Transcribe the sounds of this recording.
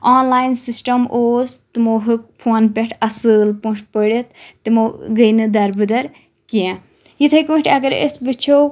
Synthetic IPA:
aːnlaːjnsisʈɐmʔoːst̪ɨmoɦɨkpʰoːnpʲeʈʰɐsɨlpũt͡ʃʰpəɽet̪ːɨmoːɡəjnɨd̪ɐɾbɨd̪ɐɾ | kiã | jit̪ʰɐkũʈʰʲɐɡɐɾḛsbɨt͡ʃʰow

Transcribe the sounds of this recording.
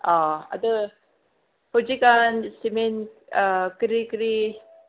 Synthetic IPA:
aɐ̰d̪ə | hod͡ʒikansimen | kɾikɾi

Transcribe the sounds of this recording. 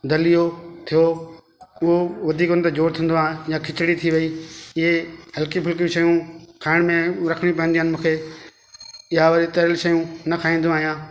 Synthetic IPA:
d̪ɐlijot̪ʰijo | ʊɦoʋɐd̪ʱiːkʊnt̪ed͡ʑoːɾt̪ʰĩːn̆d̪oãːjãkʰɪt͡ɕɽit̪ʰiʋɐiɪɦeɦɐlkipʰʊlkijũʃɐjũkʰaːɪɽ̃mẽɾɐkʰəɽ̃jũpɐ̃ɦnd̪iɦənɪ̆mũːkʰe | ɪɦaʋɐɾit̪ɐɾɪlʃɐjũnɐkʰaːĩːnd̪õaːɦijãː

